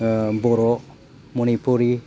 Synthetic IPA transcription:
boɾo | munipuɾi

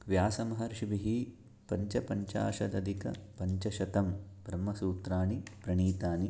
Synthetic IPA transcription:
ʋjaːsɐmɐɦɐɾʃibiɦi | pɐɲt͡ʃɐpɐɲt͡ʃa̰ːʃɐd̪ɐd̪ʱikɐ̰pɐɲt͡ʃɐʃɐt̪ɐmbʱɾɐmːɐsuːt̪ɾaːnipɾɐɳiːt̪aːni

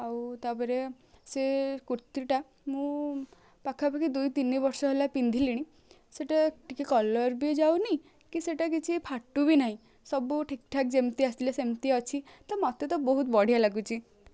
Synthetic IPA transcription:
awt̪apɔɾe | sekuɾt̪iʈa | mũ | pakʰːapakʰid̪ujt̪inibɔɾsɔɦelapind̪ʱiliɽ̃i | seʈaʈikikɔlɔɾbid͡ʒawniĩ | kiseʈak̬it͡ʃʰipʰaʈːubinaɦĩ | sɔbuʈʰikʈʰak̚d͡ʒemt̪iast̪ilasemt̪iɔt͡ʃʰit̪amɔt̪et̪ɔbɔɦut̪bɔɽ̤ialaɡut͡ʃʰi

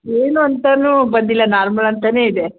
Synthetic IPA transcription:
eːnuɐnt̪ɐnuːbɐnd̪ilːɐnaːɾmɐlɐnt̪ɐne̞ːid̪e

